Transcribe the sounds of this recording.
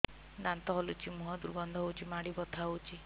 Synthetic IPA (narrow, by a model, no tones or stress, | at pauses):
d̪ant̪ɔɦolut͡ʃʰimuɦɔd̪uɾɡɔnd̪ʱɔɦowt͡ʃʰimaɽibɔt̪ʰaɦowt͡ʃʰi